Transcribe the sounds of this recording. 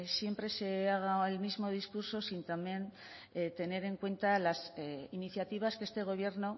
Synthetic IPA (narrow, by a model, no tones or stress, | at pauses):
sje̞mpɾe̞se̞aɣ̞aelmizmo̞ð̞iskuɾso̞sint̪amje̞n | t̪e̞ne̞ɾe̞ŋkwe̞nt̪alasiniθjat̪iβ̞askee̞st̪e̞ɣ̞o̞βje̞ɾno̞